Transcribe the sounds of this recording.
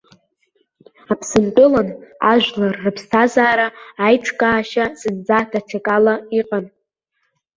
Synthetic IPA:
apʰsɨnt͡pʼʊlanaʒᶣlarːɨpʰstʰazaːɾaːjʈ͡ʂʰkʼaːʃazɨnd͡zadʰaʈ͡ʂʰakʼalaiqʼan

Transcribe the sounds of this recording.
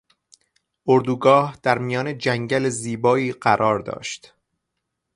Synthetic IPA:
oɾd̪uːɡɒːhd̪̥æɾmijɒːne̞d͡ʒæŋɟæleziːbɒːiːɢæɾʔɒːɾd̪ɒ̰ːʃt̪

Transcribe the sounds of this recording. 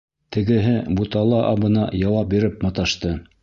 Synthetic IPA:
t̪ʰɘ̆ɡɘ̆ɦɘbut̪ɑlˠɑʔɑbɤ̆nɑjɑwɑp̚biɾɘpmɑ̆t̪ɑʃt̪ɤ

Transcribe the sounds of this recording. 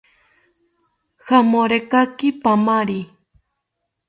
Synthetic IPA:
hamõɾekakipamaɾi

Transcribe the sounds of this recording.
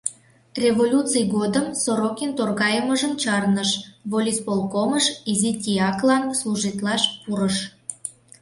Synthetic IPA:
rʲevolʲut͡sɨjɣod̪əmsoɾokent̪orɣɑjəməʒəmt͡ɕɑrnəʃβolʲispolˠkoməʃizit̪ʲiɑklɑnsluʒit̪lɑʃpuɾəʃ

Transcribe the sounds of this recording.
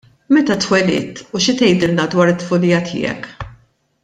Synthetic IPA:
mɛt̪ɐt̪wɛlɪ̰ːt̪uʃɪt̪ɛjd̪ɪlnɐd̪wɐːɾɪt̪ːfʊlɪjɐt̪ʰɪ̰ːɛ̰k

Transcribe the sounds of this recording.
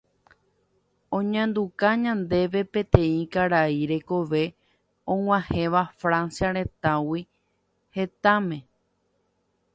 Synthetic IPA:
õɲãnd̪ukaɲãnd̪e̞ʋe̞pẽ̞t̪ẽ̞ĩkaɾaiɾe̞ko̞ʋe̞ | õŋ̃ʷãhẽʋafɾãnsjaɾ̃ẽ̞t̪awi | he̞t̪amẽ̞

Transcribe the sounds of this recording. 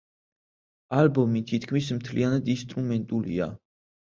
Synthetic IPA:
albɔmit̪ʰit̪ʰkʰmismt̪ʰlianad̪inst̪ʼɾumɛnt̪ʼulḭa̰

